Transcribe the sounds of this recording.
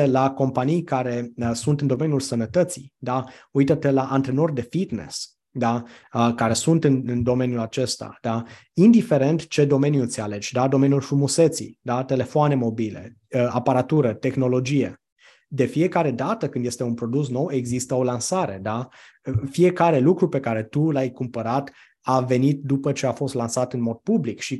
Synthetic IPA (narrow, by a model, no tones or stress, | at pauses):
elako̞mpanijkaɾe̞əsunt̪ɨnd̪o̞me̞njulsənət̪ət̪sid̪aujt̪ət̪e̞laʔant̪ɾeno̞rd̪e̞fit̪nḛs | d̪aəkaɾe̞sunt̪ɨnɨnd̪o̞me̞njulat͡ʃe̞st̪a̰d̪̥a | ind̪ife̞ɾe̞nt̪t͡ʃe̞d̪o̞me̞njut̪siale̞d͡ʒd̪ad̪o̞me̞njulfɾumuset̪sḭd̪at̪ele̞foane̞mo̞bile̞̰ | əapaɾat̪uɾət̪e̞xno̞lo̞d͡ʒije̞̰ | d̪e̞fije̞kaɾe̞d̪at̪əkɨnd̪je̞st̪e̞unpɾo̞d̪us̬no̞we̞ɡzist̪əo̞lansaɾe̞d̪a | fie̞kaɾe̞lukɾupe̞kaɾe̞t̪ulajkumpəɾat̪ | ave̞nit̪̚d̪upət͡ʃe̞afo̞st̪lansat̪ɨnmo̞d̪̚publikʃi